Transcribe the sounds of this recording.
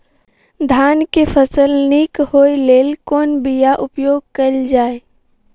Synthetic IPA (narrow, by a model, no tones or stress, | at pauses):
d̪ʱaːnkepʰəsəlnikhɦoːileːlkoːnbijaʔʊpjoːɡ̚kəld͡ʒaːe